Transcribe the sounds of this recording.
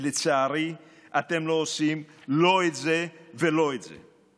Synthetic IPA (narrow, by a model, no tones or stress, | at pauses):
let͡saːɾi | at̪emloːsimloezeveloezḛ